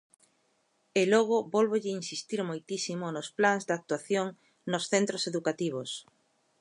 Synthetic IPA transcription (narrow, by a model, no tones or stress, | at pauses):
elɔɣ̞obɔlβoʎɪinsist̪iɾmojt̪isimonosplanzd̪ak̚t̪uaθjoŋ | nosθent̪ɾoseðukat̪iβos